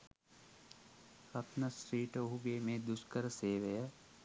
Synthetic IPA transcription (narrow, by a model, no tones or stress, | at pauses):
kɐt̪nɐsʈɾiːʈoɦuɡemẽd̪ʊskəɾseːʋɐja